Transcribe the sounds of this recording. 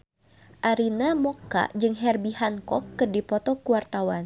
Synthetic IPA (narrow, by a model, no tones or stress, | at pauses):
ʔaɾinamɔka̰d͡ʒɨŋɦɛrbihankɔkːɨrdipɔt̪ɔkuwart̪awan